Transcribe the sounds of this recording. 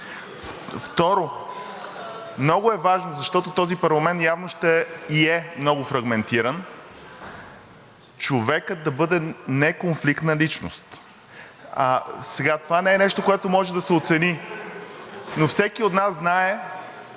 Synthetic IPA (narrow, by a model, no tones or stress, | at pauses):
ft̪ɔɾo | mnɔɡʊɛvaʒnozɐʃt̪ɔt̪ot̪ɔzipɐɾlˠɐmɛnt̪javnoʃt̪ɛiɛmnɔɡʊfɾɐɡmɛnt̪iɾən | t͡ʃovɛkəd̪ɐbɤd̪ɛnɛkonflikt̪nɐlit͡ʃno̰st̪ | asɛɡat̪ovanɛɛnɛʃt̪okoɛt̪omɔʒɛd̪ɐsɛot̪sɛni | nofsɛkiot̪nasznaɛ